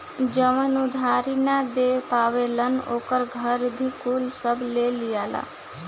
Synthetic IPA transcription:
d͡ʒəmənud̪ʱaːɾinad̪epaːʋelənoːkəɾɡʱəɾbʱiːkʰulsəbleːlɪjaːla̰ː

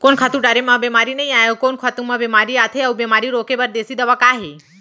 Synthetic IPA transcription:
konkʰat̪ũɖaɾemãbemaɾinəɦĩajokonkʰat̪ũmãbemaɾiat̪ʰeɐubemaɾiɾokebəɾd̪esid̪əʋakaɦe

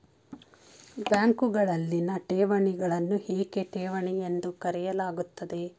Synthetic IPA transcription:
bjaːŋkuɡɐɭɐlːinɐʈeːʋɐɳiɡɐɭɐnːuheːɡe̞ʈeːʋɐɳijend̪ukɐɾɛjɐlaːɡut̪ːɐd̪e̞

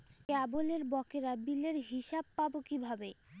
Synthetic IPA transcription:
kaboleɾbɔkeɾabileɾɦiʃab̚pabokibʱabe

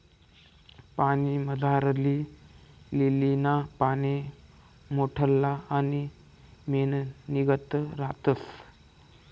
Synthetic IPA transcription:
paɽ̃iməd͡zʱaɾli | lelinapañe | moʈʰəlːaani | menniɡət̪əɾat̪əs

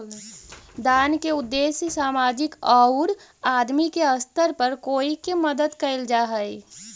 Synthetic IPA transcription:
d̪aːnkeʊd̪ːeːsjəsaːmaːd͡ʒɪkɔːʊɾaːd̪mikeəst̪əɾpəɾkoːikeməd̪əd̪kəɪld͡ʒaːɦɛi

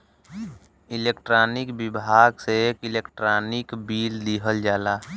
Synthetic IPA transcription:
ɪleːkʈɾaːnɪkbɪbʱaːɡseekilekʈɾaːnɪkbiːld̪iɦəld͡ʒaːla

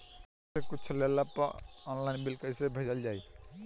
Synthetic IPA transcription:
ekut͡ʃʰlelapə̰ɔnlaɪnbilkəsebʱəd͡ʒəld͡ʒaj

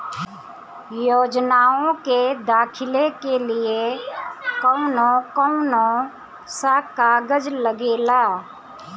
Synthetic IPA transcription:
joːd͡ʒnaːõked̪aːkʰɪlekelie | kəʊnõkəʊnõ | sakaːɡəd͡ʒləɡeːlaː

